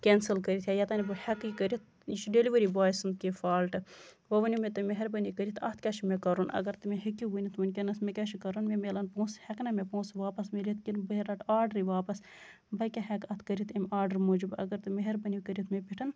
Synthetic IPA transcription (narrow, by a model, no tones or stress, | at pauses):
kʲensəlkəɾit̪ʰʲjajɐt̪ɐːnibɨhɛkikəɾit̪̚ | jiʃuɖeliʋəɾibaːjisɨnd̪̚kifaːlʈɨ | ʋɐʋɐnʲimet̪ɨmeɦeɾbɐnikəɾʲit̪ʰɐt̪ʰkʲɐʃimekɐɾunɐ̰ɡɐɾt̪ɨmeɦikʲːiɡunit̪ʰmunʲkʲenɐsmekʲɐʃikɐɾunmemelɐnpõːshɛknɐmepõːsʋaːpɐsmilʲit̪kinbɐɦeɾɐʈaːɾɖəɾiʋaːpɐs | bɐjkʲaɦɛkɐt̪ʰkɐɾit̪imʲaːɾɖɐɾmoːd͡ʒibɐ̰ɡɐɾt̪ɨmeɦeɾbɐnikəɾit̪mepʲiʈʰɐn